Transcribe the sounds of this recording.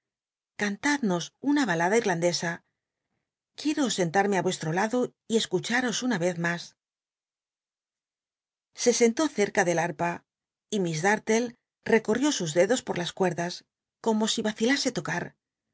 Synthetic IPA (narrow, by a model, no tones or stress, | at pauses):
kant̪aðno̞sunaβalaðaiɾland̪e̞sa | kje̞ɾo̞se̞nt̪aɾme̞aβwe̞st̪ɾo̞laðo̞ | ie̞skut͡ʃaɾo̞sunaβe̞θmas | se̞se̞nt̪o̞θe̞ɾkaðe̞laɾpa | imizðaɾt̪e̞l | re̞ko̞rjo̞suzðe̞ðo̞spoɾlaskwe̞ɾðas | ko̞mo̞siβaθilase̞t̪o̞kaɾ